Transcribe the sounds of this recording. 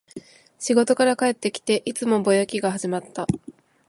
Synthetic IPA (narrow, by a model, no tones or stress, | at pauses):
ɕiɡo̞t̪o̞kaɾakae̞t̪ːe̞kʲi̥t̪e̞ʔit͡sɨmo̞bo̞jokʲiɡahaʑimat̪ːa